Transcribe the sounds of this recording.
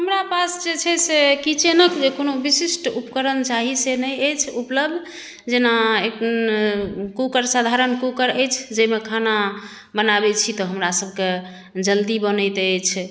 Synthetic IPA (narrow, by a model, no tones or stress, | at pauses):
ɦəmɾapasd͡ʒet͡ʃʰɛsekit͡ʃenəkd͡ʒekonobisisʈupkəɾənt͡ʃaɦisenəjəjt͡ʃʰupləb̚d̪ʱ | d͡ʒenae | kukəɾsad̪ʱaɾənkukəɾəjt͡ʃʰd͡ʒəmekʰana | bənabɛt͡ʃʰit̪ɔɦəmɾasəb̚ʱke | d͡ʒəld̪ibənəjt̪əjt͡ʃʰ